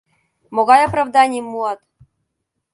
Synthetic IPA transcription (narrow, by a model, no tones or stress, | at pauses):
moɡɑjaprɑvd̪ɑnʲɪjɘmːuɑt̪